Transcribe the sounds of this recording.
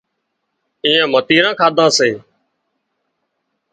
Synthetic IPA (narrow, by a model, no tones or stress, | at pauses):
iːãːmət̪iːɾãːkʰaːd̪ʱãːseː